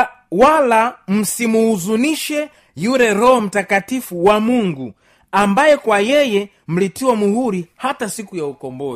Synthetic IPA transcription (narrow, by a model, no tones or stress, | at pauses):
walam̩simuuzuniʃɛ | juɾɛɾɔɦɔm̩takatifuwamuŋɡu | ambajɛkwajɛjɛ | m̩litiwamuhuɾihatasikujaukɔmbɔz